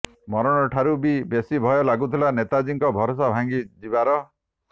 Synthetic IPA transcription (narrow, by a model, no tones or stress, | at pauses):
mɔɾɔɽ̃ɔʈʰaɾubibesibʱɔjɔlaɡut̪ʰilanet̪ad͡ʒiŋkɔbʱɔɾɔs̬abʱaŋɡid͡ʒibaɾɔ